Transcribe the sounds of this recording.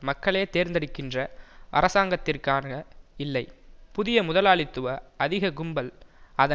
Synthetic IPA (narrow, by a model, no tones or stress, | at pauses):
mɐkːɐɭeːt̪eːɾnd̪ɐɽɪkːɪndrɐʔɐ̰ɾɐsaːŋɡɐt̪ːɪrkaːnɐɪlːɐɪpʊðɪjɐmʊðɐlaːɭɪt̪ːɯʋɐɐðɪɣɐɡʊmbɐlɐðɐ